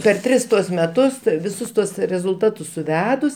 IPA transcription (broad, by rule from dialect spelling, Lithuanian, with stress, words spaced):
pʲɛr ˈtʲrʲɪs ˈtuɔs mʲɛˈtʊs ˈtɜ ʋʲɪˈsʊs ˈtuɔs rʲɛzʊlˠˈtɑːtʊs sʊˈʋʲæːdʊs